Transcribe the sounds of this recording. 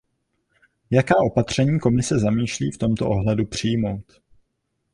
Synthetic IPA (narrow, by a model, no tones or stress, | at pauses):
jakaːʔo̞pat̪r̝̥ɛɲiːko̞mɪsɛzamiːʃliːft̪o̞mt̪o̞ʔoɦlɛdupr̝̥ijmo̞wt̪